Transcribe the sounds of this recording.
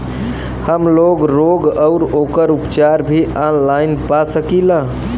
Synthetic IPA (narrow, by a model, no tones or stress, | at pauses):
həmloɡɾoɡəʊɾokəɾupt͡ʃaɾbʱiʔanlajnpasəkilã